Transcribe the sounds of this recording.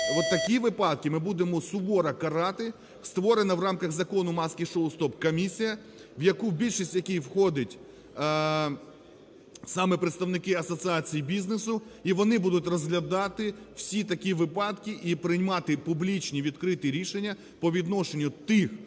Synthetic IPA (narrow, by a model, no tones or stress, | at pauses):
ʋɔt̪ːɐkʲiʋɪpɑd̪̚kɪmɪbud̪emɔsʊbɔɾɐkɐɾɑt̪ɪ | st̪ʋɔɾenɐʋrɑmkɐɣzɐkɔnʊmɑskʲiʃolˠst̪ɔpkɔmʲisʲijɐ | ʋjɐkubʲilʲʃisʲtʲjɐkʲijwxɔd̪ɪtʲ | sɑmɛpɾet̪st̪ɐʋnɪkɪɐsɔt̪sɨɑt͡sʲijibʲiznesʊiʋɔnɪbud̪ʊtʲrɔzɦlʲɐd̪ɑt̪ɪw̥sʲit̪ɐkʲiʋɪpɑd̪kʲɪʔipɾɪjmɑt̪ɪpublʲit͡ʃnʲiʋʲid̪kɾɪt̪ɪɾʲiʃenʲːɐ | pɔʋʲid̪nɔʃenʲːʊt̪ɪx